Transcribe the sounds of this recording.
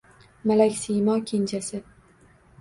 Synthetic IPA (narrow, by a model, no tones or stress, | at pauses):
malakʲsijmɒkʲʰe̞nt͡ʃʰasɪ